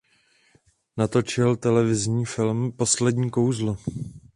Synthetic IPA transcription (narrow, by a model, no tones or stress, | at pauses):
nat̪o̞t͡ʃɪlt̪ɛlɛvɪzɲiːfɪlmpo̞slɛdɲiːko̞wzlo